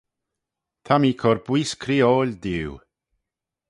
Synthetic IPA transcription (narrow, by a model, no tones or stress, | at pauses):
t̪ʰamiːkʰɔɾbwiːskʰɾiːoːlʲd̪iw